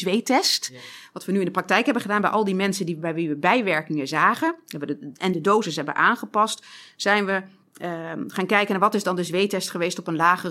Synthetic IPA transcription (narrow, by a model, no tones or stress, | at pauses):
zʋejtɛstʋɑtʋənyɪndəprɑk̚tɛjkɦɛbənχədaːnbɛjʔɑlˠdimɛnsəndibɛjʋiʋəbɛjʋɛɹkɪŋəzaːχəɛʋəʔɛndədowzəsɦɛbə̰ʔaːnχəpɑstz̥ɛjnʋə | χaːnkɛjkənaːʋɑtɪzdɑndəzʋejtɛstχəʋejstɔpənlaːχə